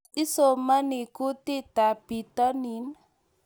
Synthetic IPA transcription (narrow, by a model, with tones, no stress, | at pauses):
isomə˦niku˦t̪i˦d̪̥a˨b̥i˨t̪ənin